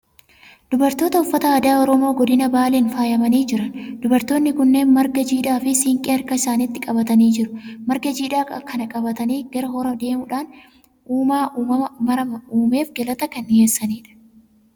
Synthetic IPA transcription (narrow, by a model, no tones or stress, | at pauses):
d̪̥ʊbɐɾt̪o̞ːt̪ɐʊfːɐt̪ɐɐːd̪aːɔɾɔmoːɡɔd̪ɪnɐbaːleːnfaːjɐmɐniːd͡ʒɪɾɐnd̪̥ʊbɐɾt̪o̞ːnːɪkʊnːe̞ːnmɐɾɡɐd͡ʒiːᶑaːfɪsiːŋkʼeɐɾkɐɪsaːniːt̪ːɪkʼɐbɐt̪ɐniːd͡ʒɪɾʊmɐɾɡɐd͡ʒiːᶑaːkʼɐkʰɐnɐkʼɐbɐt̪ɐniːɡɐɾɐɦɔɾɐd̪e̞ːmʊᶑaːn | uːmaːʔuːmɐmɐmɐɾɐmɐuːme̞ːfɡɛlɐt̪ɐkɐnheːsːɐniːᶑɐ̥